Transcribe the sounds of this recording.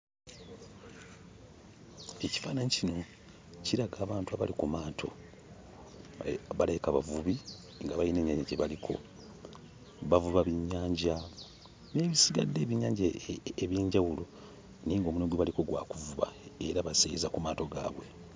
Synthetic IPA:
e̞ci̥faːnaɲicino̞ | ciɾaɡaːβaːntuaβa̰likumaːtʰo̞ | βaleikaβa̰vuβi | ŋɡaβajine̞ːɲaːɲɟaɟeβalikʰo̞̰ | βavuβaβiɲːaːɲɟa | ne̞ːβisiɡa̰dːe̞ːβiɲaːɲɟaeβjiːɲɟawulo̞ | niːŋɡo̞ːmunoɡweβaliko̞ɡwa̰ːkuvuβa̰e̞ɾaβasejizakumaːto̞ɡa̰ːβwe̞

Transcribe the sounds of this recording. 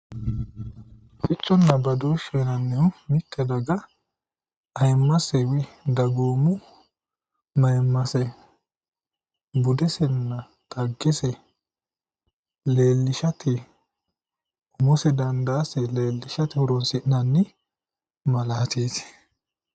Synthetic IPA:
fɪt͡ʃʼːɔnːɐbɐd̪oːʃɔnɐnːɛwmɪtːɛd̪ɐɡɐ | ɐjmːɐsɛwɪd̪ɐɡoːmʊ | mɐjmːɐsɛ | bʊd̪ɛsɛnːɐ | t̪ɐɡːɛsɛ | le̞ːlːɪʃɐt̪ɪ | ʊmɔsɛd̪ɐnd̪aːsɛle̞ːlːɪʃɐt̪ɪhʊɾɔnsɪʔnɐnːɪ | mɐlaːt̪iːs

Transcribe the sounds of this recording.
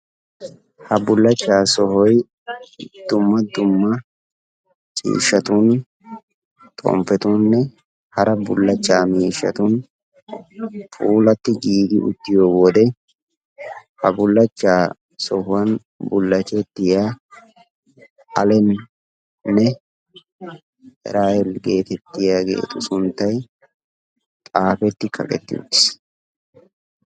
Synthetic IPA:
hɐbʊlːɐt͡ʃːaːsɔhɔj | d̪̥ʊmːɐd̪ʊmːɐ | t͡ʃʼḭːʃːɐt̪uːn | t̪ʼɔ̰mpːɛt̪uːnːɛ | hɐɾɐbʊlːɐt͡ʃːaːmiːʃːɐ̰t̪uːn | fʼuːlɐt̪ːɪɡiːd̪ɪʔʊ̰t̪ːɪjoːwɔd̪ɛ | hɐbʊlːɐt͡ʃːaː | sɔhʊwɐn | bʊlːɐt͡ʃːɛt̪ːɪjaː | ɐlɛn | nːɛ | ʔɾaːjɛlɡeːt̪ɛt̪ːɪjaːɡḛːt̪ʼʊsʊnt̪ːɐj | t̪ʼaːfɛt̪ːɪkʰɐ̰kʼɛ̰t̪ːɪjo̰ɪs

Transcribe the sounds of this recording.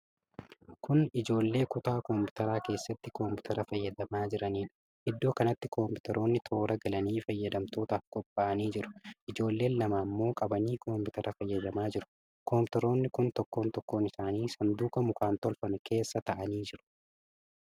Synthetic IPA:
kʊnɪd͡ʒo̞ːlːe̞ːkʊt̪aːkɔmpɪt̪ɐɾaːke̞ːsːɐt̪ːɪkompɪt̪ɐɾɐfɐjːɐd̪ɐmaːd͡ʒɪɾɐniːᶑɐ̥ | ʔɪd̪ːo̞ːkɐnɐt̪ːɪkʰompɪt̪ɐɾo̞ːnːɪt̪ʰo̞ːɾɐɡɐlɐniːfɐjːɐd̪ɐmt̪o̞ːt̪aːfkʼɔpʼːaːʔɐniːd͡ʒɪɾʊ̥ʔɪd͡ʒo̞ːlːe̞ːnlɐmaːmːo̞ːkʼɐbɐniːkʰoːmpɪt̪ɐɾʔɐfɐjːɐd̪ɐmaːd͡ʒɪɾʊ̥ | koːmpɪt̪ɐɾo̞ːnːɪkʊnt̪ɔkːo̞ːnt̪ɔkːo̞ːnɪsaːniːsɐnd̪uːkɐmʊkaːnt̪ɔlfɐnʊke̞ːsːɐt̪ɐʔɐniːd͡ʒɪɾʊ̥

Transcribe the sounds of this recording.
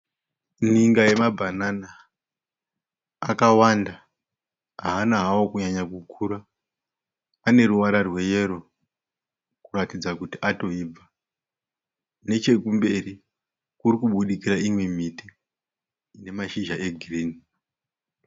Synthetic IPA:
niŋɡaje̞mabʱanana | kawanda | ɦaːnaɦawokuɲaɲakukʰuɾa | ne̞ɾuʋaɾarwe̞je̞ɾo̞ | kuratid͡zakutiʔato̞ib͡va | ne̞t͡ʃe̞kumbe̞ri | kuɾikuɓuɗikiraimwe̞mitiː | ne̞maʃiʒaʔe̞ɡʱiriːni

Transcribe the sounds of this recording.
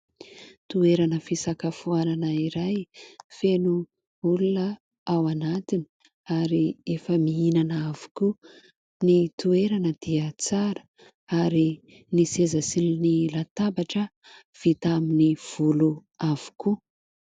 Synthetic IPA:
t̪ueɾanəfisakafuananəiɾajfenu | ulunə | awanat̪ini̥ | aɾiefəmiinanəavu̥ku | nit̪ueɾanəd̪̥iət͡saɾə̥ | aɾi | nisezasilinilat̪ambaʈ͡ʂə | v̥it̪aminiv̥uluav̥u̥ku

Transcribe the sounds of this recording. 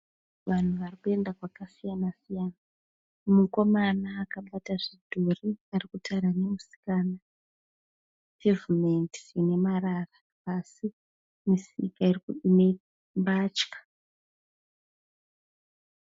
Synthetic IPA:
ʋan̤uʋarikue̞ndakwakasijanasijana | muko̞manaːkaɓataʐidʱoriarikutaɾanemusi̥kaːna | tevumenti̥ine̞marara | asi | misikairikuɗine | mbat͡ʃkḁ

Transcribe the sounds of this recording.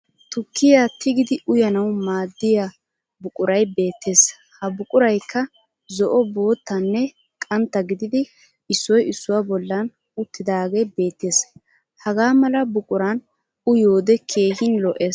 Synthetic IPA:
t̪ʊkːɪjat̪ɪɡɪd̪ɪʔʊjɐnɐwmaːd̪ːɪja | bʊkʼʊɾɐjbe̞ːt̪ːe̞ːs | hɐbʊkʼʊɾɐjkʰːɐ | zɔʔɔbo̞ːt̪ːɐnːɛ | kʼɐnt̪ːɐɡɪd̪ɪd̪ɪ | ɪsːɔjɪsːʊwabɔlːɐn | ʊt̪ːɪd̪aːɡejbe̞ːt̪ːe̞ːs | hɐɡaːmɐlɐbʊkʼʊɾɐn | ʊjo̞ːd̪ɛkʰe̞ːhɪnlɔʔeːs

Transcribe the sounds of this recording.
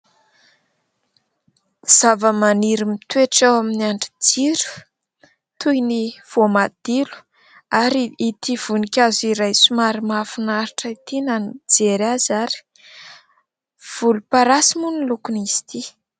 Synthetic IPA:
z̥avəmaniɾimit̪ueʈ͡ʂawaminiaɳɖ͡ʐid͡ziɾu̥ | t̪ujniv̥omad̪̥ilu̥ | aɾiit̪iv̥unikʲaziɾajsumaɾimafunaɾiʈ͡ʂəit̪inand͡zeɾazaɾi̥ | v̥ulupaɾasimunilukunisi̥t̪i

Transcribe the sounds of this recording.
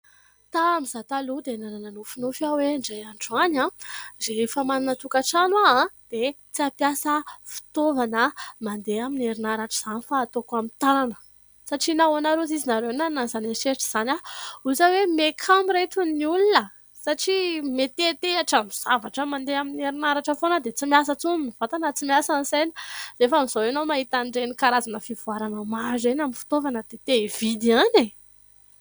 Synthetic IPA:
t̪aːmizat̪alud̪enanananofunufaweɳɖ͡ʐajaɳʈ͡ʂuanãzefamaninət̪ukaʈ͡ʂanwaãd̪̥e | t͡siapjasəfi̥t̪ovanəmand̪eamineɾinaɾaʈ͡ʂiz̥anifaːt̪okamint̪ananə̥ | saʈ͡ʂinawanaɾozizinaɾenananzanaʃeʈ͡ʂiz̥anauzawemekʰamiɾet̪unniulunə | saʈ͡ʂimet̪et̪eaʈ͡ʂamiz̥avaʈ͡ʂəmand̪eamineɾinaɾaʈ͡ʂəfonəd̪et͡simiasət͡suniniv̥at̪anət͡simiasanisejni̥d̪eefamiz̥owenowmaɦit̪aɳɖ͡ʐenikaɾazanəfivuaɾanəmazenaminfi̥t̪ovanəd̪̥et̪eiv̥id̪iane

